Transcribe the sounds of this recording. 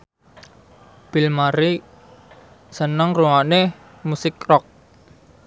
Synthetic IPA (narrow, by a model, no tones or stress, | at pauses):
b̥ɪlmaɾi | sənəŋruŋane | musɪkrɔk̚